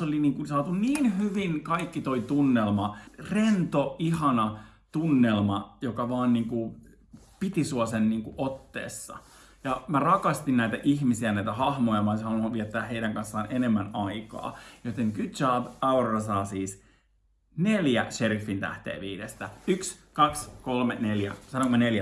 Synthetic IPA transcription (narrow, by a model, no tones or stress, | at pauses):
oliniːŋkunsɑːt̪unniːnhyʋinkɑikːit̪oit̪unːelmɑrent̪oihɑnɑ | t̪unːelmɑjokɑʋɑːnniːŋku | pit̪isuɑsenniːŋkuʔot̪ːḛːsːɑ̰ | jɑmærɑkɑst̪innæit̪æʔihmisiænæit̪æhɑhmojɑmɑshɑnɑʋiæt̪ːæːheijdæŋkɑnsːɑːnʔenemːænɑikɑ̰ːjot̪eŋkyt̪jɑːbɑurrɑsɑːsiːs | neljæʃerifːint̪æ̰ht̪ḛːʋiːɾest̪æykskɑkskolmeneljæ̰sɑnoŋkmɑneljæ